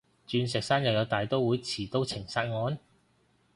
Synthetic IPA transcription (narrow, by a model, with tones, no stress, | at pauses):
t͡ʃyː˨˧ns̬ɛː˨˩k̚saː˥njɐ˨wjɐ˨˧wt̪aː˨jt̪o˥wuː˨˥jt͡sʰiː˨˩t̪o˥wt͡sʰɪ˨˩ŋsaː˧t̚ŋɔː˨˧˥n